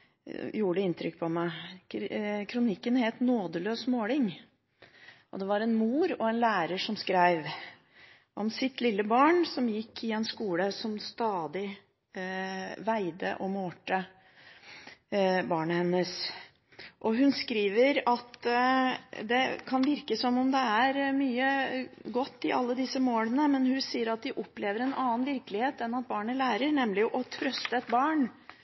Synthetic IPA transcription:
juːɖəɪnt̪ʰɾʏkːpʰɔmæɪ | kʰɾʊnɪkːənheːlt̪noːd̪əløːsmoːlɪŋ | ʔɔ̰d̪ɛʋɑɾɛnmuːɾɔɛnlæːɾəʂɔmskɾæɪʋ | ʔɔmsɪt̪lɪlːəbɑːɳsɔmjɪkʰːɪɛnskuːləsɔmst̪ɑːd̪ɪ | ʋæɪd̪ə̰ʔɔmoːʈə | bɑːɳəhɛnːəs | ʔɔɦʉnskɾiːʋəɾɑt̪ | d̪ɛkʰɑnʋɪɾkəsɔmɔmd̪ɛæɾmyːəɡɔt̪ːɪʔɑ̰lːəd̪ɪsːəmoːlənəmɛnhʉsiːəɾɑt̪̚d̪ɪʔɔpːleːʋəɾɛnɑːənʋɪɾklɪheːt̪ɛnɑt̪̚bɑːɳəlæːɾəɾnɛmlɪʔɔt̪ʰɾœst̪əɛt̪bɑːɳ

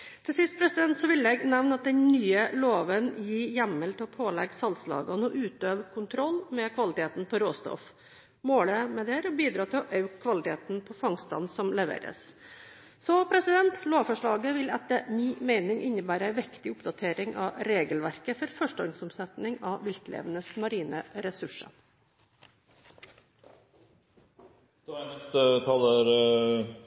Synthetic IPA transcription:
t̪ʰɪlsɪst̪̚pʰɾɛsɪd̪ɛnt̪sɔʋɪlɛɡnɛʋnɑt̪̚d̪ɛnnyːəloːʋənjiːjæmːəlt̪ʰɪlɔpʰoːlɛ̰ɡsɑlslɑ̰ːɡɑnɔʔʉːt̪øːʋkʰʊnt̪ʰɾɔlːmɛkʰʋɑlɪt̪ʰeːt̪n̩pʰɔɾoːst̪ɔ̰f | moːɭəmɛd̪ɛɾɔbiːd̪ɾɑːt̪ʰɪlɔʔɑʉkʰːʋɑlɪt̪ʰḛːt̪n̩pʰɔfɑŋst̪ɑ̰nsɔmlɛʋḛːɾə̰s | sɔpʰɾɛsɪd̪ɛnt̪loːʋfɔʂɭɑːɡəʋɪlæt̪əmiːmeɪnɪŋʔɪnːəbæːɾəæɪʋɪkt̪ɪʊpd̪ɑt̪ʰeːɾɪŋʔɑ̰ɾeːɡəlʋæɾkəfɔɾfœʂʈɔŋsɔmsɛt̪nɪŋɑʋɪlt̪lḛːʋənəsmɑɾiːnəɾɛsʉʂə̰ | d̪̥nɛst̪ət̪ʰɑləɾ

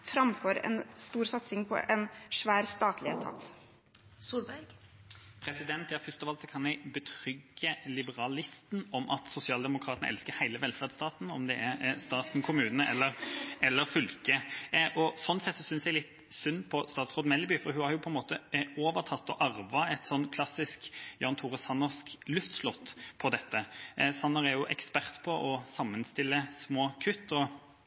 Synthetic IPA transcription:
fɾɑmfoːɾɛ̰nst̪uːɾsɑt̪sɪŋpʰɔ̰ʔɛnʂʋæːɾst̪ɑːt̪ʰlɪət̪ʰɑ̰t̪ | suːlbæɡ | pʰɾɛsɪd̪ɛnt̪æɑɾfʏst̪ɔʋɑlt̪sɔkʰɑnjɛɪbət̪ʰɾʏɡːəlɪbəɾɑlɪst̪nɔmʔɑt̪sʊsɪɑːld̪ɛmʊkʰɾɑːt̪ənə̰ʔɛ̰lskəɾhæɪləʋɛlfæːʁd̪st̪ɑːt̪nɔmd̪ɛʔæɾst̪ɑːt̪n̩kʰʊmʉːnəʔɛlːəɾɛlːəɾfʏlkəʔɔsɔnːsɛt̪sɔsʏnsjæɪlɪt̪ | sʉnːpʰɔst̪ɑːt̪sʁɔːd̪mɛlbʏfɔɾɦʉhɑɾjʊpʰɔɛnmoːt̪əoːʋəʁt̪ʰɑt̪ːɔʔɑʁʋɑɛt̪sɔnt̪kʰlɑsɪskjɑːnt̪ʰʊʁəsɑnːɔsklʉft̪slɔt̪ːpʰɔd̪ɛt̪ːəsɑnːɔʁɛɾjʊʔɛkspæʁt̪pʰɔʔɔsɑmːənst̪ɪlːəsmoːkʰʉt̪ːɔ

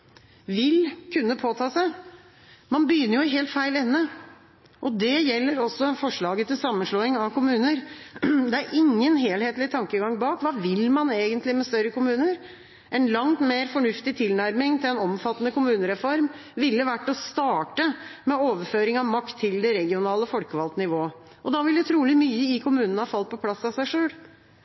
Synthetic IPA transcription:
ʋɪlkʰʉnːəpʰoːt̪ʰɑːsæɪ | mɑnbəjʏnəɾjʊɪɦeːlt̪fæɪlɛnːə | ʔɔd̪ɛjɛlːəɾɔsːɔfɔʂɭɑːɡət̪ɪlsɑmːənʂɭoːɪŋɑʋkʊmʉːnəɾd̪ɛæɾʔɪŋːənɦeːlheːt̪lɪt̪ʰɑŋkəɡɑŋbɑːkʋɑːʋɪlmɑneːɡənt̪lɪmɛst̪œɾːəkʊmʉːnəɾ | ʔɛnlɑŋt̪meːɾfɔɳʉft̪ɪt̪ʰɪlnæɾmɪŋt̪ʰɪlɛnɔmfɑt̪ːənəkʊmʉːnəɾɛfɔɾmʋɪlːəʋæʈːɔst̪ɑːʈəmɛoːʋəɾføːɾɪŋɑʋmɑkt̪ʰːɪld̪ɛɾɛɡɪʊnɑːləfɔlkəʋɑlt̪nɪʋoː | ʔɔd̪ɑʋɪlʉt̪ʰɾuːlɪmyːəɪkʰʊmʉːnənəhɑfɑlt̪̚pʰɔpʰlɑsːɑsæɪʂøːl

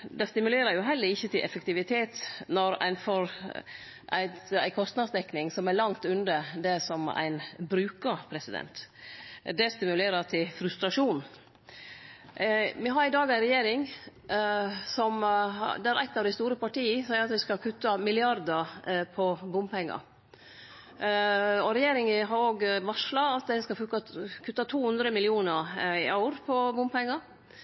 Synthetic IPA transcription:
d̪ɛst̪ɪmʉleːɾəɾjʊɦɛlːəɾɪçːət̪ʰɪlʔɛ̰fəkt̪ɪʋɪt̪ʰeːt̪nɔɾæ̰ɪnfɔɾ | ʔæ̰ɪt̪æ̰ɪkʰɔst̪nɑd̪sd̪ɛknɪŋsɔmælɑŋt̪ʉnd̪əd̪ɛsɔmæ̰ɪnbɾʉːkəpʰɾɛsɪd̪ɛ̰nt̪ | d̪ɛst̪ɪmʉleːɾət̪ʰɪlfɾʉst̪ɾɑʂuːn | mɪɦɑɾɪd̪ɑːɡæɪnɾɛjeːɾɪŋ | sɔmd̪ɛæɾʔæ̰ɪt̪ːɑʋd̪æɪst̪uːɾəpɑʈiːəsæːəɾɑt̪ʋɪskɑlkʰʉt̪ːɑmɪlɪɑɾd̪əpʰɔbʊmpʰɛŋːɑ̰ | ɔɾɛjeːɾɪŋəɦɑɾoːɡʋɑʂlɑɑt̪d̪æɪskɑfʉkːɑkʰʉt̪ːɑt̪ʰuːhʉnd̪ɾəmɪlɪuːnəɾɪʔɑʉɾpʰɔbʊmpɛŋːɑ

